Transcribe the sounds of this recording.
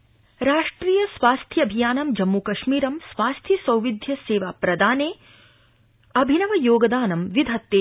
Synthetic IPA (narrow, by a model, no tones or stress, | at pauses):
ɾaːʂʈɾiːjɐsʋaːst̪ʰjɐɐbʱijaːnɐmd͡ʒɐmːukɐʃmiːɾɐmsʋaːst̪ʰjisɐwʋid̪ʱjɐseːʋaːpɾɐd̪aːneː | ɐbʱinɐʋɐjoːɡɐd̪aːnɐmʋid̪ʱɐt̪ːeː